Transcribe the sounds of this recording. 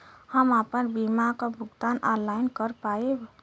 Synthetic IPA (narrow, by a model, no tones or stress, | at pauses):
həmapənbimakəbʱuɡt̪ana̰nlajnkəɾpaeb